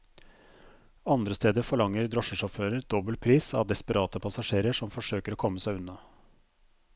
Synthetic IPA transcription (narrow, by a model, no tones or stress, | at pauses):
ɑnd̪ɾəst̪eːd̪əfɔɭɑŋːəɾd̪ɾɔʂəʂɔføːɾəɾd̪ɔbəl̚pʰɾiːsɑ̰ʋd̪ɛspəɾɑːt̪əpʰɑsɑʂeːɾəʂɔmfɔʂøːkəɾoːkʰɔmːəsæɪʉnːɑ